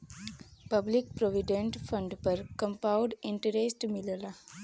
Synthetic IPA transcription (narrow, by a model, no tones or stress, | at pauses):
pəblik̚pɾoʋiɖẽɳʈfʰə̃ɳɖpəɾkə̃mpaʊɖiɳʈəɾesʈmiləla